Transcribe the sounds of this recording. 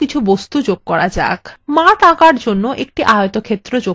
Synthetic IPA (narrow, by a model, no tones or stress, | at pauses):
kit͡ɕʰubost̪ud͡ʑoɡ̚kɔɾad͡ʑa̰kmãt̪akaɾd͡ʑonːoʔek̚ʈiʔaot̪okʰet̪ːɾod͡ʑo